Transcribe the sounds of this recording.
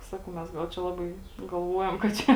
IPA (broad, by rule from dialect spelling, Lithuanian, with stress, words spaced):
ˈsɑːkɐʊ mʲɛs ˈɡɐlˠ t͡ʃʲɛ ˈlˠɑːbɐɪ ɡɐlˠˈʋuɔjɛm kɐt ˈt͡ʃʲɛ